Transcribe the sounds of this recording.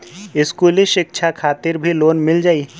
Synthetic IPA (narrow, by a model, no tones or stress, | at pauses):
ɪskuːliʃɪk̚ʃʰakʰaːt̪ɪɾbʱiloːnmɪld͡ʒaːi